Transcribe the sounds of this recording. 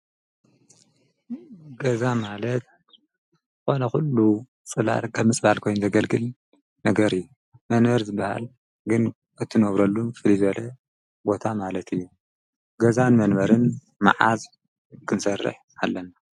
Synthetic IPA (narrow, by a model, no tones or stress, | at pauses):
ɡɐzamalɐt̪̚ | xo̞nɐxulːu | t͡sʼɨla̰lkʰɐβmːɨt͡sʼbalkʰo̞jnzɐɡɐlɡɨl | nɐɡɐɾɨjːu | mɐnbɐɾzɨbːaha̰l | ɡɨn | ɨt̪ʰːɨnoβɾɐlːumfɨlizβɐlɐ | bo̞t̪ʰamalɐt̪ʰɨjːu | ɡɐzanmɐnbɐɾɨn | ma̰ʕaz | kʰɨnsɐrːɨ̰ħ | alːɐna